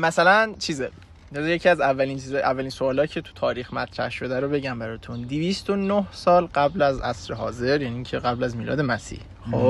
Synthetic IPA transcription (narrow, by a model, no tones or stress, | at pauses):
mæsælænt͡ʃʰiːze | ɒzejecʰiæzævːælint͡ʃʰiːzɒjʔævːæliːnsoɒːlɒːicʰet̪ʰu̥t̪ʰɒːɾiːxmæt̪ʰɾæ̰hʃo̞d̪æɾobe̞ɟæmbæɾɒːt̪ʰund̪ivist̪onohsɒːlɢæblæzʔæ̰sɾeɦɒːze̞ɾjæniiːŋcʰeɣæblæzmiːlɒ̰ːd̪emæsḭh | xo